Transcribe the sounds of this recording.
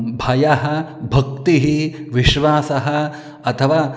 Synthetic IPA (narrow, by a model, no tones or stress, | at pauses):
bʱɐjɐɦɐ̆bʱɐk̚t̪iɦiʋiʃʋaːsɐɦɐ | ɐt̪ʰɐʋaː